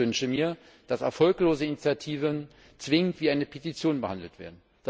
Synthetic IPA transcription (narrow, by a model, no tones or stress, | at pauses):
ʏnʃəmiːɐ | d̥asɛ̰ɐfɔlkloːzəinit͡sjatʰiːvən | t͡sv̥ɪŋəntv̥iːaɪnəpʰetit͡sjoːnbəhandl̩tv̥ḛːɐdn̩ | d̥